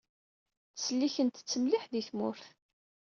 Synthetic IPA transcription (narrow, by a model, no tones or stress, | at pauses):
θsəlːiçənt̪t͡sːəmliħðiθmʊ̰ɾθ